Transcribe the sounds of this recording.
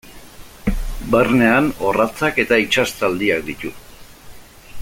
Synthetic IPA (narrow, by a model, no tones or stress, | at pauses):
berne̞ano̞rat͡sake̞t̪ait͡ʃast̪ald̪iak̚d̪it̪u